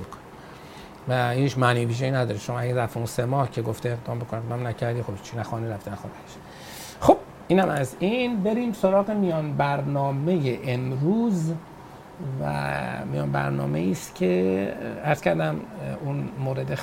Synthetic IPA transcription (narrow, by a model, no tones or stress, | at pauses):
kʰo̥n | væhiːt͡ʃʰmæniviːʒejiːnæd̪ɒːɾeʃomɒːæɟæɾæft̪eunsemɒːhcʰeɡoft̪eːɣd̪ɒːmbokʰoneɣd̪ɒːmnæcʰæɾd̪iːxobt͡ʃʰinæxɒːniɾæft̪enæxo̰næʃ | xob̥̚ | ʔiːnæmæzinbe̞ɾiːmsoɾɒːɣemijɒːnbæɾnɒːme̞jeʔemɾuːz | væ̰mijɒ̰ːnbæ̰ɾnɒ̰ːme̞̰iːst̪cʲʰeæɾscʰæɾd̪æmunmoːɾed̪e